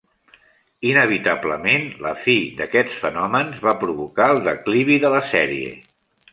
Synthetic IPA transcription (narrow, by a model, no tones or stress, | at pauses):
inəβ̞it̪abləmenlə̰fid̪əkɛt͡sfənɔmənzβapɾuβukaəlˠd̪əkliβiðələsɛɾḭḛ